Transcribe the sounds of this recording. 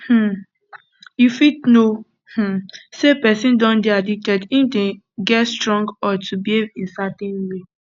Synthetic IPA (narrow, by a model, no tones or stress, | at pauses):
hm̩ | jufidno | hm̩sepɛsĩndɔ̃nbiadik̚tɛdĩdɛ̃ | ɡɛtstɹɔ̃ŋɡɔtʰubievĩnsatɛ̃nwe